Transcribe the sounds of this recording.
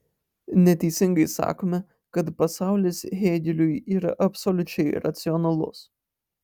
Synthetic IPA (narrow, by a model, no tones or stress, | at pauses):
nʲɛt̪ʲɛɪsʲɪŋɡɐɪsɑ̰ːkoːmʲɛ | kɐt̪pɐsɑˑʊlʲesɦʲeːd̪ʲɪlʲʊjiːɾɐ̰ʔɐpʲsɔlʲʊt͡ʃʲɛɪɾɐ̰t̪sʲɪɔnɐlˠʊ̰s